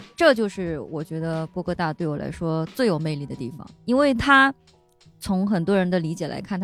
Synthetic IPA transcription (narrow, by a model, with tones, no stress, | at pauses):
ʈ͡ʂɤ˥˧t͡ɕjo˥˧ʊʂɻ̩˥˩wɔ˨˩t͡ɕɥɛ˧˥d̪ə˧pwɔ˥kʰɤ˥˧t̪a˥˩t̪we˥˩ɪwɔ˨˩la̰˧˥ɪʂwɔ˥t͡swe˥˩ɪjo˨˩ʊme˥˧ɪli˥˩d̪ə˩t̪i˥˩fɑ̰˨˩ŋi˥nwe˥˩ɪt̪ʰa˥ | t͡sʰʊ˧˥ŋxə˨˩nt̪wɔ˥ɻə˧˥nd̪ə˧li˧˥t͡ɕjɛ˨˩la̰˧˥ɪkʰa˥˩nt̪